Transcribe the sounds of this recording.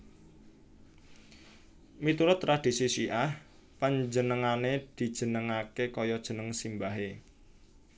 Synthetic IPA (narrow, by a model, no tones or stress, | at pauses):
mit̪uɾʊt̪rad̪̥i̤sisiʔah | paɲd͡ʒənəŋaned̪̥i̤d̥ʒ̥ə̤nəŋakekɔjɔd̥ʒ̥ə̤nəŋsimbaɦe